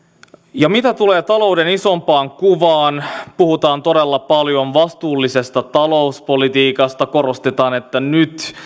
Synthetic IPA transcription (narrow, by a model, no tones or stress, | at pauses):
jɑmit̪æt̪ule̞ːt̪ɑlo̞udeniso̞mpɑːŋkuʋɑːnpuhut̪ɑːnt̪o̞delːɑpɑljo̞nʋɑst̪uːlːise̞st̪ɑt̪ɑlo̞uspo̞lit̪iːkɑst̪ɑko̞ro̞st̪et̪ɑːne̞t̪ːænyt̪